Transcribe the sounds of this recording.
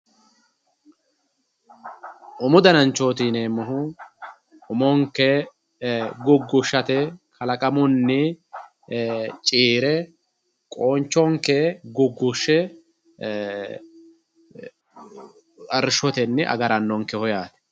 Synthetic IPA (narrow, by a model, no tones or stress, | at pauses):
ʔʊmʊd̪ɐnɐnt͡ʃːo̞ːt̪iːneːmːɔɦʊ | ʔʊmɔŋkːɛ | ɡʊɡːʊʃːɐt̪ɛkʰɐlɐkʼɐmʊnːɪ | t͡ʃʼiːɾɛ | kʼoːnt͡ʃːɔŋkːɛɡʊɡːʊʃːɛ | ɐɾʃɔt̪ɛnːɪʔɐ̰ɡɐɾɐnːɔŋkːɛhɔjaːt̪ɛ̥